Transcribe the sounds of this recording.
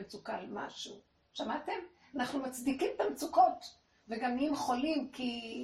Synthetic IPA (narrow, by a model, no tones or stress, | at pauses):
mt͡sukalma̰ʃu | ʃamate̞m | anaχnumat͡sd̪ikimt̪amt͡suko̞t | veɡamːiimχo̞limki